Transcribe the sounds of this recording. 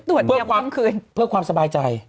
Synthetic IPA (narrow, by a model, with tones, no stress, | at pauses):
t̪u˨˩ət̪̚ʰɯ˥˩˨kʰaː˧mkʰɯː˧npʰɯ˥˩ɐkʰwaː˧msa˧baː˧jt͡ɕa˧j